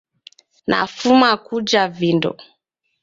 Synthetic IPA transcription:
nʔa̰fumakud͡ʒavindɔ̰

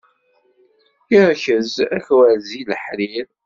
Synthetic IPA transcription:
iɾçəzæçwæziləħɾiɾ

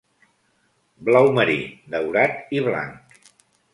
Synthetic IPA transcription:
blawməɾḭd̪əwɾat̪iβla̰ŋk

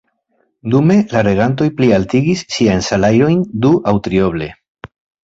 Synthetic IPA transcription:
dume̞laɾe̞ɣant̬o̞jplialtiɡisːiajnsalajo̞jnduʔawtɾio̞βle̞

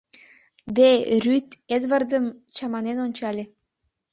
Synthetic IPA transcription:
d̪erʲyt̪ed̪βərd̪əmt͡ɕɑmɑnenonʲt͡ɕɑlʲe

